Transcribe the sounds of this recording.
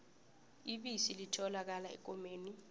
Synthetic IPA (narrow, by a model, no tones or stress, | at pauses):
iɓisilitʰɔlak̬alaɛ̰k̬ʼɔmeːni